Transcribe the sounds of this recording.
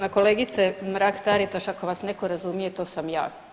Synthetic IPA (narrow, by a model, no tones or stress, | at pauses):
nako̞leːɡit̪semɾaːkt̪aɾit̪aʃakoʋasneko̞ɾazumijet̪oːsamja̰ː